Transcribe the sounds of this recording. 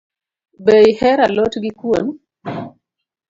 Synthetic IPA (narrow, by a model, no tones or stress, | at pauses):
bejhɛɾalotɡikwon